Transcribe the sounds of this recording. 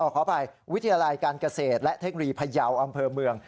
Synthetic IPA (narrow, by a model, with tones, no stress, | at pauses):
ʔɔː˧˩kʰɔː˩˦pa˧jwt̪ʰːa˧jaː˧la˧jkaː˧nka˧seː˨˩t̪̚lɛ˦˥ʔt̪ʰe˦˥k̚no˧jiː˧pʰa˧ja˧wʔa˧mpʰɤː˧mɯ˧əŋ